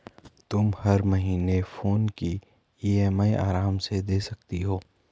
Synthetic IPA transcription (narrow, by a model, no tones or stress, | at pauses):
t̪ʊmhɐɾmɐɦiːnefoːnki | iːeːmaiʔa̰ːɾaːmsed̪eːsɐk̚t̪iɦoː